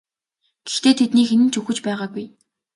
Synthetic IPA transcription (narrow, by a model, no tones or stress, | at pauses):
ɡ̥ext̪eːt̪ʰet̪niːxenɘ̆nt͡ɕɵxɘ̆t͡ɕpæːʁaːɡuj